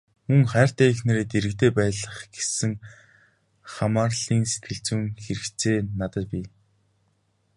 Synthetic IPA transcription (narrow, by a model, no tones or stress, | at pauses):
mɵŋχæːr̥t̪æːexnĕɾeːt̪eɾɘ̆kt̪eːpæːɮə̆χɡ̥e̥sɘ̆ŋ | χamaːrɮiːŋse̥t̪̚ɡɘ̆ɬt͡sɘ̆ŋxeɾɘ̆kt͡sʰeːnat̪ə̆t̪̚pʲi